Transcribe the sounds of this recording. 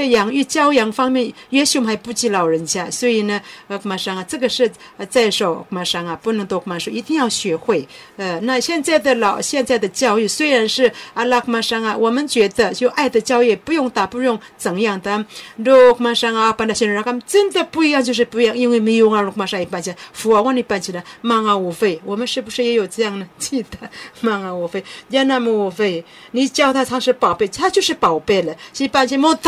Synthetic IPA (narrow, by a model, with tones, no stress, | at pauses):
jɑ˧˥ŋy˥˩˧t͡ɕjɑ˥ʊjɑ˧˥ŋfɑ˥ŋmjɛ˥˩nɥɛ˧˥ɕi˧˥mxa˧˥ɪpu˥˧t͡ɕi˥˩lɑ˨˩ʊɻə˧˦˥nt͡ɕja˥˩swɔ˧˥i˨˩nə˦˧kʰma˧˥ʂɑ˥ŋa˨˩ʈ͡ʂɤ˥˩ɡə˩ʂɻ̩˥˩˧t͡sa˥˩ɪʂo˨˩ʊkma˧˥ʂɑ˥ŋa˨pu˥˩nɤ˧˥ŋt̪o˧kʰma˧˥ʂo˥˧i˧˥t̪i˥˧ŋjɑ˥˩ʊɕɥɛ˧˥xwe˥˩ɪə˧na˥˧ɕjɛ˥˧nt͡sa˥˩ɪd̪ə˩lɑ˨˩ʊɕjɛ˥˧nt͡sa˥˩ɪd̪ə˩t͡ɕjɑ˥˧ʊy˥˩swe˥ɪɻa˧˥nʂɻ̩˥˩a˥˧la˥kʰma˥ʂɑ˥ŋa˧wɔ˨˩mə˧˦nt͡ɕɥɛ˧˥d̪ə˧t͡ɕjo˥˧ʊʔa˥˩ɪd̪ə˨t͡ɕjɑ˥˧ʊy˥˩jɛ˨˩pu˧jʊ˥˧ŋt̪a˨˩pu˥˧ɻʊ˥˧ŋt͡sə˨˩ŋjɑ˥˩ŋd̪ə˧˦ɾo˥˧kʰma˥˧ʂa˥ŋa˧a˧pa˧nd̪a˧˩ɕɛ˧a˧ka˥mʈ͡ʂə˦˥nd̪ə˨pu˥˧i˧jɑ˥˧ŋt͡ɕjo˥˧ʂɻ̩˥˧pu˧i˧jɑ˥˧ŋi˧˥nwe˥˩me˧jʊ˧ŋa˧ɻo˧ka˧ʂa˥˧jɛ˨˧pa˥˧nt͡ɕʰi˧la˧fu˨˩a˧wa˥˧ni˧˩pa˥˧nt͡ɕʰi˧˩la˧ma˥˧ŋa˧wɔ˨˩fe˥˩ɪwɔ˨˩mə˦nʂɻ̩˥˩bu˧ʂɻ̩˥˩jɛ˧˥jo˨˩ʊt͡sə˥˧jɑ˥˩ŋnə˨t͡ɕʰi˥˧t̪ə˧˦ma˥˧ŋa˧wɔ˨˩fe˥˧ɪdja˥˧na˥˧mə˧wɔ˨˩fe˥˩ɪ | ni˨˩t͡ɕjɑ˥˧ʊt̪ʰa˥˧t͡sʰɑ˥ŋʂɻ̩˥˧pɑ˨˩ʊpe˥˧ɪt̪ʰa˥t͡ɕjo˥˧ʂɻ̩˥˧˩pɑ˨˩ʊpe˥˩ɪlə˩ɕi˧˥˧pa˥˧nt͡ɕʰi˧mo˥˧t̪